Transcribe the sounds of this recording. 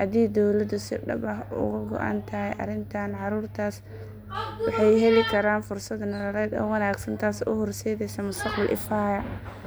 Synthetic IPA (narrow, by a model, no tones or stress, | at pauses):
hɐd̪iːd̪ɔwlɐd̪ʊsɪɖɐ̰bɐɦʊ̰ɣʊɡɔ̰ʔa̰ːnt̪ʰɐhɛjʔɐ̰ɾɪnt̪ʰanʕɑɾuːrt̪ʰaːs | wɑħɑjɦɛlɪkʰɐɾaːnfʊrsɐd̪nɐɾɐɾɛːd̪ɔ̰wɑnaːɡsɐnt̪ʰaːsʊ̰hɔrsɛːðɛjsɐmʊst̪ʰɐqbɐlʔɪ̰faːjɐ